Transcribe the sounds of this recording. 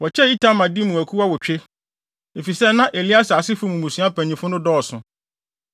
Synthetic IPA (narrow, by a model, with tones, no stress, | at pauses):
wɔ˨t͡ɕʰɛ˦i˦tʰã˦mã˨di˦mũ˨æ˨kʰu˦wa˦wɔ˨t͡ɕᶣe˦ | e˨fi˨sɛ˦nã˦ʔe˨li˦a˦sa˨a˨sɪ˦fʊ˦mũ˨mũ˨sũ˨˦a˦pʰæ̃˨ɲĩ˨fʊ˦nʊ̃˦dɔː˦˨sʊ̰̃˨